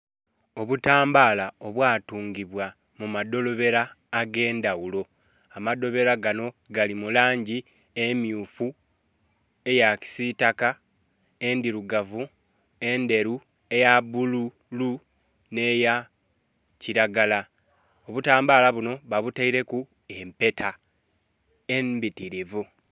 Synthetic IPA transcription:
oβutaːmbaːlao̞βwaːtuːŋɡiβwa | mumado̞lo̞βe̞ɾaːɡe̞ːndawulo̞ | amado̞βe̞ɾaɡano̞ɡalimulaːɲɟi | emjuːfu | e̞jaci̥sitaka | e̞ndiɾuɡavu | e̞nde̞ɾu | e̞jaβulu | lu | ne̞ja | ciɾaɡala | o̞βutaːmbaːlaβuno̞βaβutaiɾe̞ku | e̞mpe̞tʰa | embitiɾivu

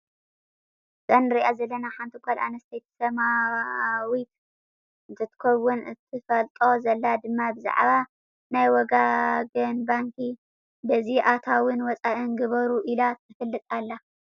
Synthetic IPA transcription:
z̥ʼɐnɾiʔazɐlːɐnaħant̪ʰɨkʷʰala̰nɐst̪ʰejt̪sɐma | wit̪ | zɨt̪ʰːɨ̥kʰɐwːʊnɨt̪ʰɨfɐlt̪ʼo̞zɐlːad̪ɨmːabɨza̰ʕβa | najwɔɡaɡɨnbaŋki | bɐziʔat̪ʰawɨnwɔt͡sʼaʔɨnɡɨβɐɾuʔilat̪ʰɨfɨlːɨt̪ʼalːa

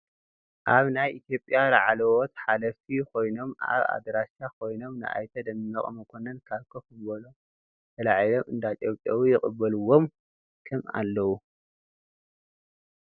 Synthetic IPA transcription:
ʔaβnajʔit̪ʰjo̞pʼːjalaʕalɐwɔt̪ħalɐft̪ʰikʰo̞jno̞ma̰βa̰d̪ɾast͡ʃakʰo̞jno̞mnɨʔa̰jt̪ʰɐd̪ɐmːɐkʼmɐkʰonɐnkʰaβkʰokɨβolo | t̪ʰɐlaʕijlomɨnd̪at̪ʼowpʼawijɪxʼɨbːɐluwːom | kʰɨma̰lːɐwu

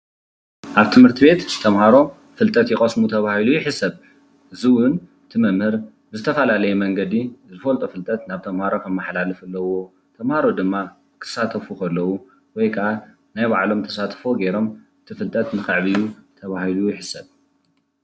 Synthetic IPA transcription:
ʔaβt̪ʰɨmhɨɾt̪ʰiβe̞t̪t̪ʰɐmhaɾo̞ | fɨlt̪ʼɐt̪jɪkʼɐsmut̪ʰɐβahilujɪħɨsɐβ | ʔɨziwʊnɨt̪ʰɨmɐmhɨɾ | bɨzɨt̪ʰɐfɐlalɐjɛmɐŋɡɐd̪izɨfɐlt̪ʼufɨlt̪ʼɐt̪naβt̪ʰɐmhaɾo̞kʰɐmːaħlalɨfɐlːɐwo̞ | t̪ʰɐmhaɾo̞d̪ɨmːa | kʰɨ̥sat̪ʰɐfukʰɐlːɐwu | wɔjkʰɐʔa | najβaʕlo̞mt̪ʰɐ̥sat̪ʰfoɡejɾo̞mʔɨt̪ʰifɨlt̪ʼɐt̪nɨxɨʕβijut̪ʰɐβahilujɪħɨsɐβ

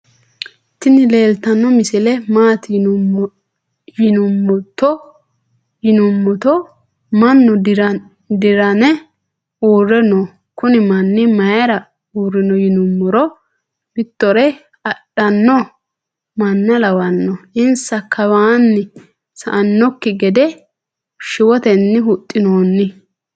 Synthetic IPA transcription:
t̪ːɪnɪleːlt̪ɐnːɔmɪsɪlɛmaːt̪ɪ | jɪnʊmːʊt̪ːɔ | jɪnʊmːʊt̪ɔ | mɐnːʊɾ | d̪ɪɾɐnɛ | uːrːɛnɔ | kʊnɪmɐnːɪmɐjɐɾɐ | urːɪnɔjɪnʊmːʊɾɔ | bɪt̪ːɔɾɛ | ɐɗːɐnːɔ | mɐnːɐlɐwɐnːɔɪnsɐkːɐwaːnːɪ | sɐ̰ʔɐnːɔkːɪɡɛd̪ɛ | ʃɪwɔt̪ɛnːɪɦʊt̪ʼːɪnoːnːɪ

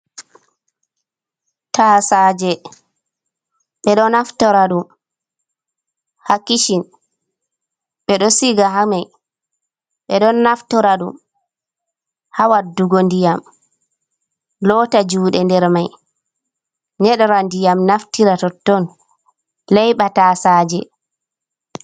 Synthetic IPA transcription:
tasad͡ʒɛ | ɓɛɗɔnaftɔɾaɗum | hakːiʃin | ɓɛɗɔsiɡaɦamaj | ɓɛɗɔnːaftɔɾaɗum | hawadːuɡondijam | lɔːtad͡ʒuːɗɛndɛɾmaj | ɲɛɗɔɾandijamnaftiɾatɔtːɔn | lɛjɓatasad͡ʒɛ

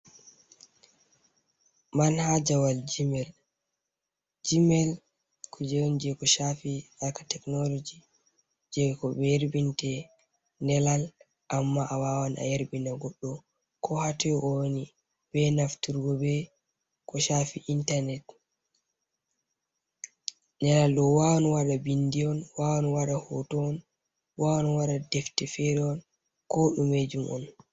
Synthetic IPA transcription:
manhad͡ʒawald͡ʒimɛl | d͡ʒimɛl | kʰud͡ʒɛwɔnd͡ʒɛkɔʃafialkḁtɛknɔlod͡ʒi | d͡ʒɛkɔbɛjeɾbintɛ | ndɛlal | ʔamːaʔawaːwanʔa̰jeɾbinaɡɔɗːɔ | kʰɔhatɛʔɔwni | bɛnaftuɾɡɔbɛ | kɔʃaːfiʔintanɛt | nɛlalɗɔwawɔnwaɗabindiɔnwawɔnwaɗahɔ̰tɔn | wawɔnwaɗadɛftɛfɛɾɛɔn | kɔɗumed͡ʒumʔɔ̰n

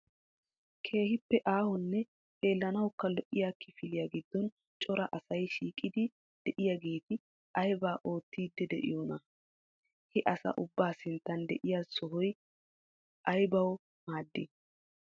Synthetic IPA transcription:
kʰe̞ːɦɪpːɛʔaːhɔnːɛ | e̞ːlːɐnɐwkːɐlɔʔːɪjaːkːɪfɪlɪjaːɡɪd̪ːɔn | t͡ʃʼɔɾɐʔɐsɐjʃiːkʼːɪd̪ɪ | d̪̥ɛʔɪjaɡe̞ːt̪ɪ | ʔɐjbaːʔo̞ːt̪ːiːd̪ːɛd̪ɛ̰ʔɪ̰jɔnɐ | hɛʔɐsɐ̰ʔʊbːaːsɪnt̪ːɐnd̪ɛʔɪjaːsɔɦɔj | ʔɐjbɐw | maːd̪ːɪ

